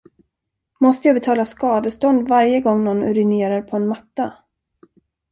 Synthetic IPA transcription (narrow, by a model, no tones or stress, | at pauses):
mɔst̪əjɑːbɛt̪ʰɑːlaskɑːd̪əst̪ɔnd̪vaɾjəɡɔŋːnɔnɵ̰ɾɪneːɾaɾpʰɔɛnmat̪ːa